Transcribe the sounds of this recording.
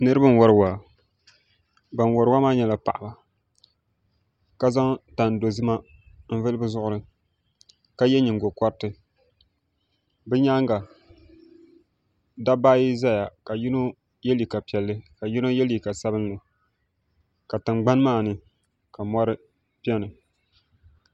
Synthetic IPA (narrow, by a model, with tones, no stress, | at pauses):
nɨ˦ɾɨ˦bɨ˦n˦wɔ˦ɾɨ˨wa˨ | ba˨n˨wɔ˨ɾɨ˦wa˦maː˦ɲɛ˨la˨pa̰˨ʔa˨ba˨ | ka˦za˦ŋta˨n˨do˨zɨ˦ma˦ | m̩˦vɨ˦lɨ˦bɨ˦zʊ˦ʔʊ˦ɾɨ˦ | ka˦jɛ˦ɲi˨ŋ˨ɡo˨kɔ˦ɾtɨ˨ | bɨ˦ɲa˦ŋɡa˨ | da˦baː˦ji˦za˦ja˨ka˨ji˦no˦ | jɛ˦li˨ka˨pi˨ɛ˨lːɨ˦ka˨ji˦no˦jɛ˦li˨ka˨sa˦bɨ˦nːɨ˨ | ka˨tɨ˨mɡ͡ba˦n˦maː˦˨nɨ˦ | ka˨mɔ˦ɾɨ˦ | pɛ˦nɨ˨